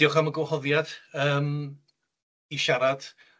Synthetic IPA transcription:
iɔχaməɡwhɔðjad̥əːm | iʃaɾad̥

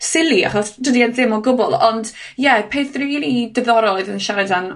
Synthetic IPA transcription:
sɪlˠia̰χɔsd̥ədianðɪmɔɡʊbɔlˠɔndjɛpʰeːθriiɾidɛðɔɾɔlˠɔɨðənʃaɾɛdan

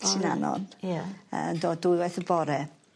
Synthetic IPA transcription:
ʃɪnanɔ̰njaə̰ndoːdʊɨwɛθəbɔɾɛ

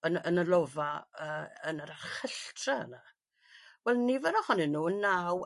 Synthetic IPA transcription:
ənənəlˠɔvaəːənəɾarχəɬtʰraə̰na | wɛlˠnivɛnɔhɔnɨnuːənːaw

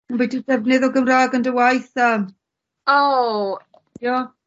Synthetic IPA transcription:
mbidud̥ɛvnɪðɔɡəmraːɡəndəwajθəm | o | jo

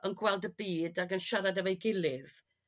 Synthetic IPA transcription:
ənɡwɛlˠdəbiːdaɡənʃaɾadɛvejɡɪlˠɪð

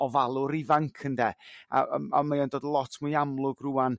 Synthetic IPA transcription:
ɔvalˠʊɾivaŋkʰəndɛa̰a̰majandoːdəlˠɔtʰmʊjamlˠʊɡruːan

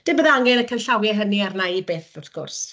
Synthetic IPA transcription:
d̥ɪmbəðaŋɛnəkʰənɬawjɛɦəniarnaibeːθʊθɡ̥ʊ̰rs

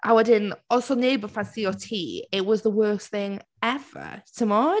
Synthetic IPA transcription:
ʔaɪwədɪnɔlˠsoʊneɪbəfãnsioʊtʰiːɪʔwɒzðəwɜˑsθɪ̃ŋ | ɛv̥ə̰tʰəmɔː

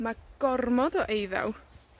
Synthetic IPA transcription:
maɡ̥ɔrmɔdɔʔejðɛ̰w

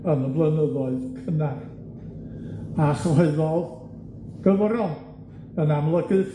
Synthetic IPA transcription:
ənəvlˠənəðɔɨðkʰənar | aχɔɨðɔð | ɡ̥əvəɾɔn | ənamlˠəɡɨf

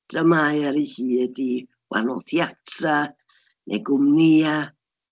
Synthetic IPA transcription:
d̥rəmajaɾihiːdi | wa̰nɔ̰θjatʰra | nʔɛ̰ɡʊmnia

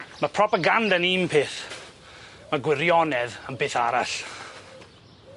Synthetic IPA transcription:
mapʰrɔpaɡandaniːmpʰeːθ | maɡwɪɾjɔnɛðəmbeːθaɾa̰ɬ

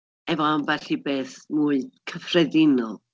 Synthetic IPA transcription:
ɛvɔnvɛɬibeːθmuːɨkʰəfrɛdɪnɔlˠ

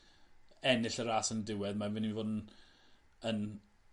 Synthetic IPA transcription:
ɛnɪɬəɾaːsəndɪwɛðmavɪnivoːdn | ən

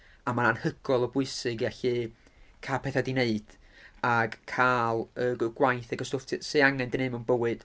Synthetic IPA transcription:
amananhəɡ̥ɔlˠɔbʊɨsɨɡiaɬɨ | kʰapʰɛθadineɨd̥aɡ̥kʰaːlˠəɡəɡ̥wajθɛɡəstʊftʰseaŋɛndɪnemənbəwɨd̥

